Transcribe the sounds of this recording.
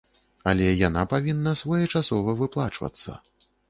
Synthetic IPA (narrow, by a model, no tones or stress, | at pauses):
ɐlʲɛjanapavʲinːɐsvɔjɛt͡ʂasɔvɐvɨplˠa̰t͡ʂvɐ̰t̪sːɐ̰